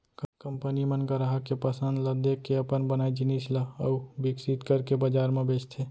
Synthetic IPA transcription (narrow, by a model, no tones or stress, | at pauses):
kkəmpənimənkəɾaɦəkːepəsə̃nd̪ləd̪ekːeəpənbənaːid͡ʒɪnisləəubɪksit̪kəɾkebəd͡ʒaːɾmẽbeːst̪ʰe